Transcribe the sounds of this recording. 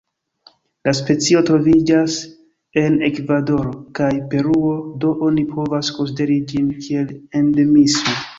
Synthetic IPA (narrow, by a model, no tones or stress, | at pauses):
laspe̞t͡sio̞tɾo̞vid͡ʒas | e̞ne̞kvado̞ɾokajpe̞ɾuo̞do̞ʔo̞nipʰo̞vasko̞ns̬ide̞ɾid͡ʒinkʰie̞lendemiso